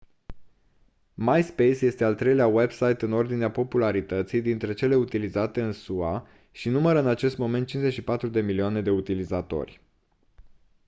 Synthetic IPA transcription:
majspejsje̞st̪ealt̪ɾe̞jleawe̞bsajt̪ɨno̞rd̪ineapo̞pulaɾit̪ət̪sijd̪int̪ɾe̞t͡ʃe̞le̞ut̪ilizat̪e̞ɨnsua | ʃinuməɾəɨnat͡ʃe̞st̪mo̞me̞nt̪̚t͡ʃinzeʃipat̪ɾud̪e̞milioane̞d̪e̞ut̪ilizat̪o̞̰rʲ

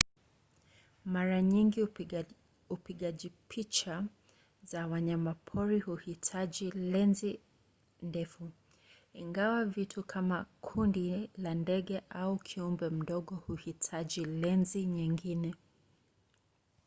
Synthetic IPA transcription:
maɾaɲiŋɡi | upiɠaʄipʰit͡ʃa | zawaɲamapʰɔɾihuhitʰaʄilɛnzi | ndɛfu | iŋɡawavitʰukʰamakʰundilandɛɠɛʔaukʰiumbɛm̩ɗɔɠɔhuhitʰaʄilɛnziɲiŋɡinɛ

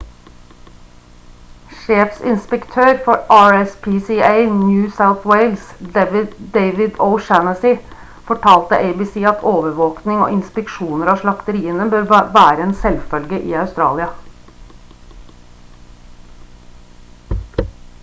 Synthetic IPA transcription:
ʃeːfsɪ̰nspəkt̪ʰøːɾfɔɾʔɑːɹɛspʰiːsieɪnjʉːsaʊθweɪlsd̪ɛʋɪd̪eɪʋɪd̪ɔʊʃænəsɪ | fɔʈʰɑːlt̪əʔeɪbɪːsiːɑt̪ʰoːʋəɾʋoːknɪŋo̰ːɪnspɛkʃuːnəɾɑːʃlɑkt̪əɾiːənəbøːɾʋæːɾəeːnsɛlfœlɡəʔḭːɑʉst̪ɾɑ̰ːlɪɑ

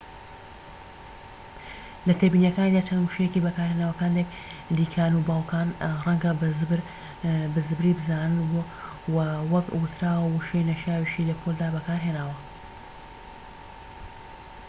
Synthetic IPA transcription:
lɐt̪ʰebiːnjɐkaːnid̪aːt͡ʃɐnmuʃejecibɐkaːɾhenaːwɐkaːnlek | d̪iːkʰaːnubaːwkʰaːnrɐŋɡɐzɾ | bɨzɨbɾiːbɨzaːnɨnbo | wɐwɐkwʊt̪ɾaːwɐwuʃejnɐʃaːwiʃilɐpʰold̪aːbɐkaːɾɦenaːwɐ

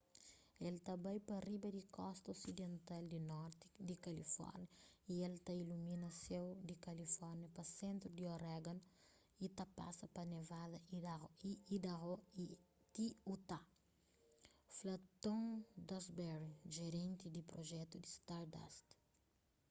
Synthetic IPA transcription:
elt̪abajpɐribɐd̪ikʰɔst̪ɐosid̪ẽnt̪ald̪inɔɾt̪i̥d̪ikalifɔ̰ɾnjɐielt̪ailumĩnɐsẽwd̪ikɐlifɔɾnjɐpɐsẽnt̪ɾʊd̪ioɾɛɡɐ̃n | it̪apa̰sɐpɐnevad̪ɐiiid̪aɣoi | t̪iut̪a | flat̪õŋd̪ɔzbɛɾiʒeɾẽnt̪id̪ipɾoʒɛt̪ud̪ist̪aɾd̪a̰st̪

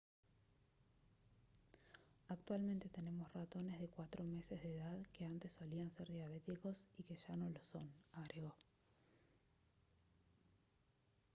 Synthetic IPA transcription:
ak̚t̪walment̪e̞t̪e̞ne̞mosrat̪o̞ne̞zðe̞kwat̪ɾo̞me̞se̞zðeðaðkeant̪esːo̞lianseɾðjaβ̞e̞t̪iko̞sike̞ʒano̞loso̞naɣɾeɣo

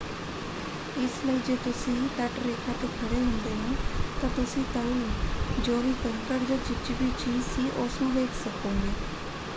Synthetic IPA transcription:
ɪsləiːd͡ʒeːt̪ʊsĩːt̪ɛʈɾeːkʰãːt̪eːkʰəɽeːɦʊ̃nd̪eːɦẽːt̪ãːt̪ʊsĩːt̪aːnũːd͡ʒoːʋiːpəŋkəɾd͡ʒoːt͡ʃɪt͡ʃibiːt͡ʃiːd͡ʒsiːʔosnũːʋeːkʰsəkoːɡeː

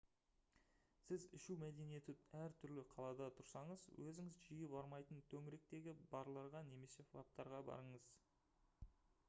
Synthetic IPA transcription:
sɪzɪʃuwmæd̪e̞nije̞t̪ɪæɾt̪ʰʏɾlɪqʰɑlˠɑd̪ɑt̪ʰʊɾsɑɴəzwɵzɪŋɪzʒijɪpɑɾmɑjt̪ənt̪ʰɵŋɪɾe̞k̚t̪e̞ɡʲɪbɑɾlˠɑɾʁɑne̞me̞se̞flˠap̚t̪ɑɾʁɑbɑ̰ɾəɴəz̥

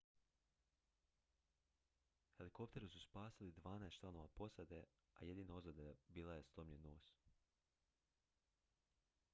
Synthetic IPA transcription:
xe̞liko̞p̚t̪e̞ɾususpaːsilid̪ʋaːnaest͡ʃlano̞ʋapo̞sad̪e̞ | a̰je̞d̪iːnaozad̪abiːlaje̞st̪omɲenːoːs

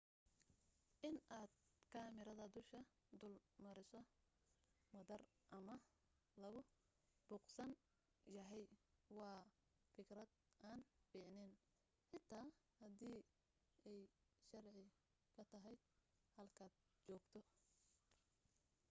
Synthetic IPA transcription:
ʔɪnaːd̪kʰaːmɪɾɐðɐd̪ʊʃkʰɐ | d̪ʊlmɐɾɪsɔ | mɐðɐr | ʔɐmɐ | lɐɣʊ | b̥uːqsɐn | jɐɦɛjwɑː | fɪɡrɐd̪ | ʔaːnfiːʕnɪn | ħɪt̪ʰaː | hɐd̪iː | ʔɛjʃɐrʕɪ | kʰɐt̪ʰɐɦɛjd̪ | hɐlkʰaːd̪̚ | t͡ʃɔːɡt̪ʰɔ

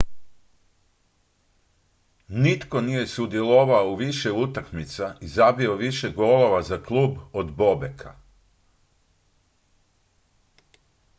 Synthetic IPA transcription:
nit̪ko̞nije̞sud̪jeloʋaouʋiʃeut̪akmit̪saizabio̞ʋiʃeɡo̞lo̞ʋazaklˠuːbod̪bo̞bekʰa̰

